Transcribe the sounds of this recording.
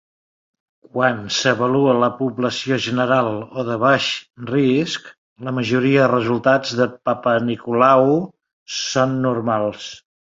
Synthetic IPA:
kwansəβəluələpuβləsioʒənəɾalˠoðəβ̞aʃrisk | ləməʒuɾiəðərəzulˠt̪ad͡zðəpapənikulaw | sonːurmalˠs

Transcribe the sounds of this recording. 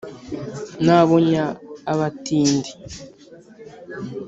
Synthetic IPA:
naβoɲaːβatiːndi

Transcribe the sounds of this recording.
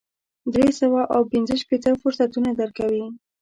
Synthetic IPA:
d̪ɾesəwaʔawpinzəʃpet̪əfʊɾsat̪unad̪əɾkawi

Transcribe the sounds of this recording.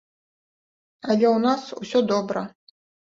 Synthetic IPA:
alʲeunasṵsʲɔd̪obrɐ

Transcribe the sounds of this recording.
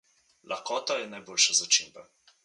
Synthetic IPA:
lʔaxkɔːt̪ajɛnajboːlʃazat͡ʃḭmba

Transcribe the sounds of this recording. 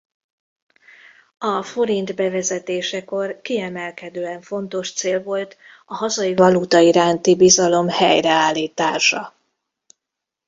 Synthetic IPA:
ɒfo̞ɾind̪bɛvɛzɛt̪eːʃɛko̞rkiɛmɛlkɛd̪øːɛɱfo̞nt̪o̞ʃt̪seːlvo̞lt̪ | ɒɦɒzɒivɒlut̪ɒiɾaːnt̪ibizɒlo̞mhɛjrɛaːlːiːt̪aːʃɒ

